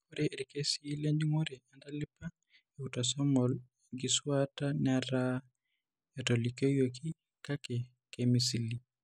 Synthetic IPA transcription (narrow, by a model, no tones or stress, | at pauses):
koɾɛɾikesileɲd͡ʒiŋɔɾɛandalipa | eutasɔmɔl | ɡisuwatanaɾa | ɛtolikejoki | kakɛ | kemisili